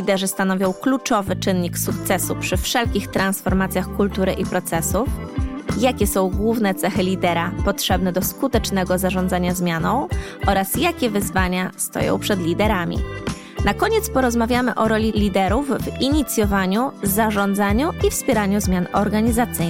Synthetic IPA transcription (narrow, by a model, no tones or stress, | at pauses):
lʲid̪ɛʐɘst̪anɔvʲjɔ̃w̃klut͡ʂɔvɘt͡ʂɘnɲiksukt̪sɛsupʂɘfʂɛlkʲixt̪ɾansfɔɾmat̪sʲjaxkult̪uɾɘʔipɾɔt̪sɛsufjakʲɛsɔ̃w̃ɡwuvnɛt̪sɛxɘlʲid̪ɛɾapɔtʂɛbnɛd̪ɔskut̪ɛt͡ʂnɛɡɔzaʐɔ̃nd̪zaɲazmʲjanɔ̃w̃ʔɔɾasjakʲɛvɘzvaɲast̪ɔ̰jɔ̰̃w̃pʂɛd̪lʲid̪ɛɾamʲḭ | nakɔɲɛt̪spɔɾɔzmavʲjamɘ̰ʔɔɾɔlʲilʲid̪ɛɾuvviɲit̪sʲjɔvaɲuzaʐɔnd̪zaɲuʔifspʲjɛɾaɲuzmʲjanɔɾɡaɲizat̪sɘ